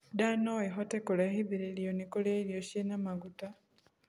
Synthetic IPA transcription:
danoiɦotekolahiβiɾeljonikoleːɾjoʃenamaɡuta

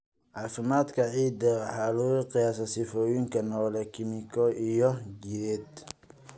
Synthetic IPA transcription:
ʕɑːfɪmaːd̪kʰɐʕiːd̪ɐħɑːluqɪjaːsɐsɪfɔːjɪŋkʰɐnɔːlɛkʰɪmɪkʰɔʔijɔɡiɾɛd̪

